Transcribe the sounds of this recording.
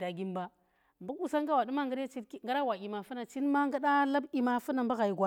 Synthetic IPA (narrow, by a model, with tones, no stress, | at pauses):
da˨ɡi˦mba˦ | mbu˦ku˨sa˦ŋɡa˦wa˨ɗu˦ma˦ŋɡa˦ɾa˦t͡ʃi˦ŋɡa˦ɾa˦wa˨i˨ma˨fu˦na˨t͡ʃi˦nma˦ŋɡa˦ɗa˦la˦bi˨ma˨fu˦na˨mba˦ɣa˨i˨ɡʷa˦